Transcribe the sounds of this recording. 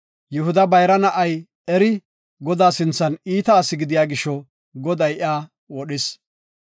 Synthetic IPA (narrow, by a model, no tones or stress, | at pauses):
jʊɦʊd̪ɐbɐjɾɐnɐʔɐj | ɛɾɪ | ɡɔd̪aːsɪnt͡sːɐniːt̪ɐːsɪɡɪd̪ɪjaːɡɪʃɔ | ɡɔd̪ɐjʔaː | wɔɗɪs